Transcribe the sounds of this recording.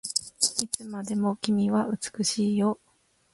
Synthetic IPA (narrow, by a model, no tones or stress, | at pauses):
it͡sɨmad̪e̞mo̞kʲimʲiβaʔɯ̟t͡sɨ̥kɯ̟ɕiːjo̞